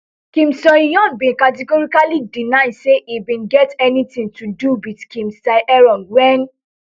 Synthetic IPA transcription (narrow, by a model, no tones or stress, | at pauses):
kĩmsɔ̃nijɔ̃nbĩkatɛɡɔɹikalidinaɪdseʔibĩnɡɛtɛnitĩŋtuduwitkĩmstaɪʔɛɹɔ̃nwɛn